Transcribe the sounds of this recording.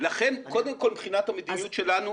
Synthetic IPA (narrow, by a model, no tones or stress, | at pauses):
laχe̞nko̞d̪emko̞lbχinat̪hamed̪inijut̪ʃe̞lanu